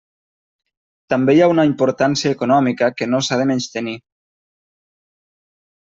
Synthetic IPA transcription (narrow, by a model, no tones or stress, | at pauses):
t̪ambejaunaimpoɾt̪ansjaekonɔmikəkenosaðemẽnst̪eni